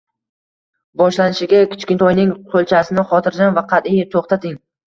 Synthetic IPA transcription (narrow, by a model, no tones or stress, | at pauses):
bɒʃlanɪʃɪɡʲakʲʰɪ̥t͡ʃkʲɪnt̪ʰɒjnɪŋqʰolˠt͡ʃʰasɪnɪχɒt̪ʰɪɾd͡ʒanvaqʰɑt̪ɪjt̪ʰoχt̪ʰat̪ʰɪŋ